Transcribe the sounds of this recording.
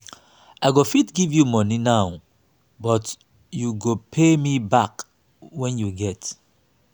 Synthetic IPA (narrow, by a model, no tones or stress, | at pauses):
aɪɡofitɡivjumɔninaʊ | bɔt | juɡopʰemibak | wɛ̃njuɡɛt